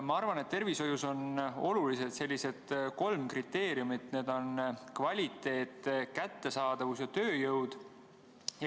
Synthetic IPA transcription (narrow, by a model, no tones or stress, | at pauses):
mɑɑrvɑne̞t̪t̪ːe̞rviso̞juso̞no̞̰lulise̞d̪̥se̞lʲːise̞d̪̥ko̞lmkrit̪ːe̞ːɾiumit̪ne̞ːd̪̥o̞nkvɑlʲit̪ːˑe̞ːt̪ːkæt̪ːe̞sɑːd̪̥ɑvus̬jɑt̪ø̞ːjɤwd̪̥ | j